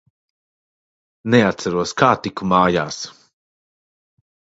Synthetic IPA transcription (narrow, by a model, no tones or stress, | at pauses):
neat̪saɾuɔskaːt̪ikumaːja̰ːs